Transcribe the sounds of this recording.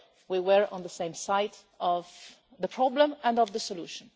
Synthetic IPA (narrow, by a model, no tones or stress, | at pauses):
wiwəɹə̰̃nðəsẽɪ̃msaɪɾ | ɔv | ðəpʰɹ̥ɔblə̃mæ̃ndɔvðəsɔlṵʃə̃n